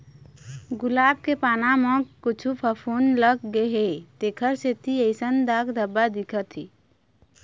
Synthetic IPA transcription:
ɡʊlaːb̚kepaːnamə̃kʊt͡ʃʰupʰəpʰoːnləkɡəɦet̪ekʰəɾset̪ʰiəɪsənd̪aːkd̪əbad̪ikʰət̪i

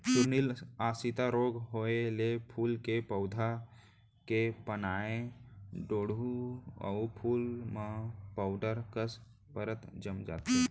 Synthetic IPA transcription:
t͡ʃʊɾnilaːsit̪aɾoːɡɦoelepʰuːlkepəʊd̪ʱa | kepənaːẽɖoːɽuə̰ʊpʰuːlmapaʊɖəɾkəs | pəɾət̪d͡ʒəmd͡ʒa̰ːt̪e

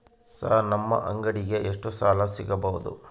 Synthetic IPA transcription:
saɦɐnɐmːɐ̰ʔɐŋɡɐɽiɡeʔeʂʈusaːlɐsiɡɐbɐɦud̪ṵ

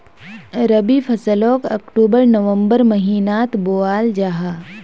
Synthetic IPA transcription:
ɾəbipʰɐsəloːkɐkʈuːbəɾnəʋə̃mbəɾmɐɦiːnaːt̪boaːld͡ʒaɦaː

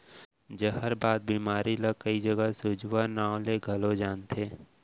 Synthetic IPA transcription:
d͡ʒəɦəɾbaːd̪̚biːmaːɾiləkəid͡ʒəɡəsʊd͡ʒʋanaːõleɡʱɐlod͡ʒaːnt̪ʰeː

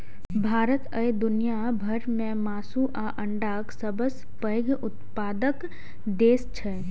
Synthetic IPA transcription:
bʱaːɾət̪əjd̪ʊnija | bʱɐɾmẽmaːsuʔaʔə̃ɳɖaːksəbəs | pəjɡʊt̪paːd̪ək | d̪eːst͡ʃʰɛ

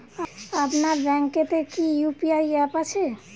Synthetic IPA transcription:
aapnaɾbɛ̃ŋket̪ekijupiajapat͡ʃʰe

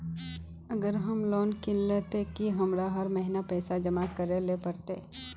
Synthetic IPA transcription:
ɐɡəɾɦɐmlɔːnkɪllet̪ekiɦɐmɾaɦɐɾmɛɦɪnapɛːsad͡ʒɐmakɐɾelepɐɾt̪ḛ

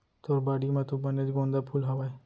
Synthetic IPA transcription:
t̪oːɾbaːɽimãt̪õbɐned͡ʒɡõːnd̪apʰuːlɦaʋaːe

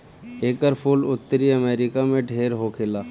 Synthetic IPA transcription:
eːkəɾpʰʊlʊt̪ːəɾiəmeːɾɪkamẽɖʱeːɾɦoːkʰɪlaː

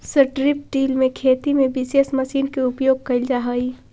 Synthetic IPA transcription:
sɐʈɾɪpɖiːlmẽkʰeːt̪imẽbɪsesmɐʃiːnkeʊpjoːɡ̚kɐld͡ʒaɦaiː

